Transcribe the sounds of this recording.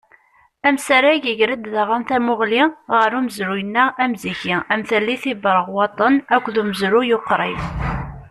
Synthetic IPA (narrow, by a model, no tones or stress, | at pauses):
æmsaɾaʝəʝɾəd̪ðaʁanθæmʊʁliʁəɾuməzɾujənːææmziçiæmθælːiθibɾˤəʁwɑt̪ˤənækʷːðuməzɾujoqːɾˤim